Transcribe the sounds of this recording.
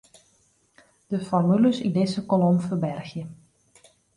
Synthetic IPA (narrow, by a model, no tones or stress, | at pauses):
d̥əfɔrmyləsindɪsəkolomfərbɛrxjə